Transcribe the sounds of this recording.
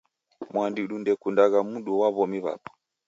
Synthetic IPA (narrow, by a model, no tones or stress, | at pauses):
mwandiɗundɛkundaɣamuɗuwaβɔmiβa̰pɔ̥